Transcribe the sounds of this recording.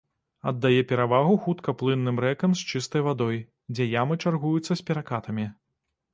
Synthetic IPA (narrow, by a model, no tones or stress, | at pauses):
ɐd̪ːajɛpʲɛɾavaɣuxut̪kɐplˠɨnːɨmɾɛkɐmst͡ʂɨst̪ɐjvad̪ɔj | d͡zʲɛjamɨt͡ʂarɣujut̪sːɐsʲpʲɛɾakat̪ɐmʲi